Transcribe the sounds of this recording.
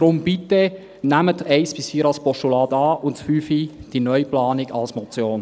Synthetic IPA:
d̥ɾʊmbit̪e | næmətɛɪsb̥ɪsfiːɾɑlspɔʃtulɑːdɑːʔʊntfyːfid̥inœʏplɑːnɪɡɑlsmɔt͡sjoːn

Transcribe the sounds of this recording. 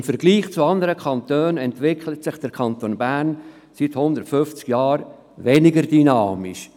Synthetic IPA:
mfəɾɡliːχt͡suɑnd̪əɾəkʰɑnt̪øːnɛntʋɪkʰlətsɪχd̥əɾkʰɑnt̪oːnbæɾn | sit̪hʊnd̪əɾtfʏft͡skjɑːɾ | ʋɛnɪɡəɾdynɑːmiʃ

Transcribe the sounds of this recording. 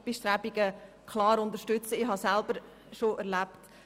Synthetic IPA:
b̥ɪʃtɾæbiɡ̥ə | kʰlɑːɾʊnd̪əɾʃtʏt͡səɪhɑsælb̥əɾ | ʃoʔɛɾlæpt

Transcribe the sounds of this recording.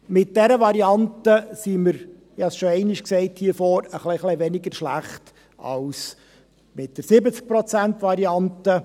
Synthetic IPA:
mɪt̚d̥ɛɾəʋɑɾiɑntəsiməɾ | ɪhɑsʃoɛɪnɪʃksɛɪthiːfoːɾəχleχliʋɛnɪɡəɾʃlæχt | ʔɑ̰ls | mɪt̚d̥əɾsɪbət͡sk̚pɾɔt͡sæntʋɑɾiɑnt̪ə

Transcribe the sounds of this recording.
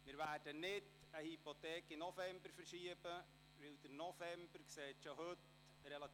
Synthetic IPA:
mɪːɾværdənɪd | əhipotɛːkɪnːɔfɛmbəɾfərʃiəbə | ʋɪldəɾnɔvɛmbərkseːtʃohɵt | rɛlɑ

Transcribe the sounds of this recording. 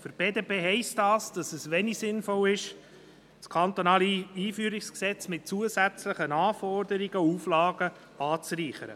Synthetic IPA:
fyɾb̥eːdeːpʰeːɦɛɪstɑːsd̥ɑsɛsʋɛnisɪnfɔlɪʃ | skʰɑnt̪onɑːliiːfyːɾiksksɛt͡smɪt̚t͡suəzæt͡sləχənɑːfɔrdəɾiɡ̥əuːflɑːɡə | ɑːt͡sɾiːχəɾə̰

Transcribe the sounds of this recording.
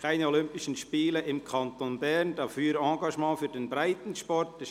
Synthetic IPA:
kʰaɪnɛolʏmpɪʃənʃpiːləʔɪmkʰɑntonbɛɾnd̥ɑfyːɾɑ̃ːɡɑʃmɑ̃ːfyːdenbɾaɪtn̩ʃpɔɾt̚d̥ɛs

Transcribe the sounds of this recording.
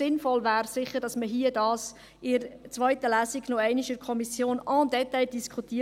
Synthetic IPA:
ɪnfɔlvæːɾsɪχəɾd̥ɑsməɦiːədɑːs | ɪɾt͡sʋœʏtəlæːsiɡnoɛɪniʃɪkʰɔmisjoːnɑndɛtɛɪd̥iskʰutiːə

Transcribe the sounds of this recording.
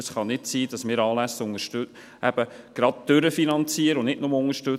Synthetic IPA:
əsχɑnɪtsiːd̥ɑsmɪːɾɑːlæsʊŋəʃtø | ʔæb̥əɡ̥ɾɑd̚d̥ʏɾəfinɑnt͡siəɾəʊnɪdnʊməʊŋəʃtø

